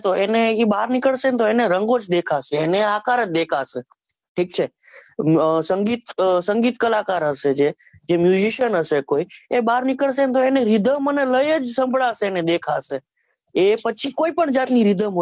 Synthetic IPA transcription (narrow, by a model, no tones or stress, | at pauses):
t̪oeneibaɾnikəɭʃent̪oeneɾəŋɡod͡ʒd̪ekʰaseːneakaɾəd͡ʒd̪ekʰase | ʈʰik̚t͡ʃʰe | səŋɡit̪səŋɡit̪kəlakaɾɦəʃed͡ʒe | d͡ʒemjud͡ʒiʃənɦəʃekoiebaɾnikəɭʃ̬enet̪oeneɾid̪ʱəməneləjəd͡ʒsə̃mbɭaseːned̪ekʰase | epət͡ʃʰikoipəɳd͡ʒat̪niɾid̪ʱəmo